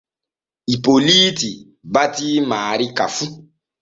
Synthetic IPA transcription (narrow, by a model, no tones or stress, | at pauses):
ipoliti | batimaːɾikafu